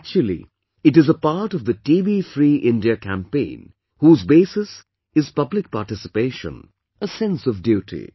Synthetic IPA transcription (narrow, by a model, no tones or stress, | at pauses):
k̚t͡ʃul̩ˠḭ | ɨʈɨzəpaɾʈʌvðətiːbifɾiːʔɪ̃ndiəkʰæ̃mpẽɪ̃n | huːzbeɪsɨs | ɨz̥pʌblɪk̚paɾʈɪsɪ̥peɪʃə̰̃n | əsɛ̃nsʌvdjuʈʰḭ